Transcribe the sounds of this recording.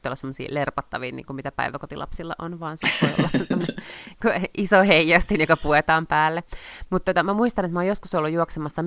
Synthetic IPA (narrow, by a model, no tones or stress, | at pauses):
olːɑsemːosḭːlerpɑt̪ːɑʋiːnḭːŋkummit̪æpæ̰iʋækot̪ilɑ̰psilːɑ̰ʔonʋɑːnsit̪ːeo̰lːɑsemːonekuʔisoheijæst̪injokɑpuet̪ɑːmpæːlːemut̪t̪ːuot̪ɑmæmuist̪ɑnet̪mɑojoskusolːujuoksemɑsːɑ